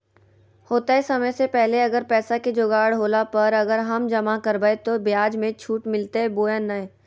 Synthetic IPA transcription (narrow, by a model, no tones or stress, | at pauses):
hoːt̪aesɐməjsepɛɦleɐɡəɾpɛːsaked͡ʒoːɡaːɽɦoːlapɐɾɐɡəɾɦɐmd͡ʒɐmakɐɾbəet̪objaːd͡ʒmẽt͡ʃʰuːʈmɪlt̪eɦɛboːjənːaẽ